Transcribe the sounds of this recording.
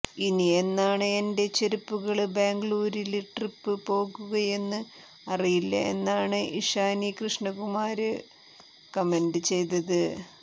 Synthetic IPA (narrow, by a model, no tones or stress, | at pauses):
inie̞nːaːɳɨe̞nde̞t͡ɕeɾupːuɣɐɭbeːŋɡɭuːɾiliʈripːɨpo̞ːɣuɣɐje̞nːɨ | ɐrijilːɐ̰e̞̰nːaːɳɨʔiʂaːnikrɨʂɳɐɣumaːɾɨ | kɐme̞ndɨt͡ɕe̞jt̪ɐðɨ